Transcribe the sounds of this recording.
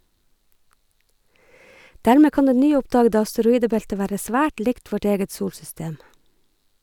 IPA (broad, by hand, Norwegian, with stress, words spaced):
ˈdæːɹmeː ˈkɑːn ˈdeː ˈnyːˌʊpdɑːɡədə ɑstəɾʊˈiːdəˌbɛltə ˈʋæːɾə ˈsʋæːʈ ˈlɪkt ˈʋɔʈ ˈeːɡət ˈsuːlsʏˌsteːm